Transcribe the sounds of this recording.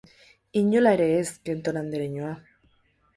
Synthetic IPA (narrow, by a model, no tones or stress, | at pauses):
iɲolaeɾeeskent̪onand̪eɾeɲoa